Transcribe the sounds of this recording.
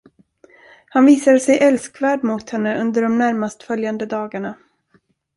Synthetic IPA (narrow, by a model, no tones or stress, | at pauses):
hanviːsad̪əsɛjʔɛlskvæːɖmʊt̪hɛnːəʔɵnd̪əɖɔmnæɾmast̪fœljand̪əd̪ɑːɡaɳa